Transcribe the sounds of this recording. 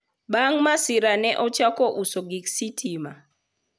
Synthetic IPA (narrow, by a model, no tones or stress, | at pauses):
baŋmasiɾanɛʔɔt͡ʃakɔʔusoɡiksitʰima